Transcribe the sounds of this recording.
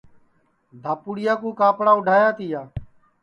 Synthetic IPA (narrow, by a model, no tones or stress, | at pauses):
d̪ʱaːpuːɽɪjaːkũːkaːpɽaːʊɖʱaːjaːt̪iːjaː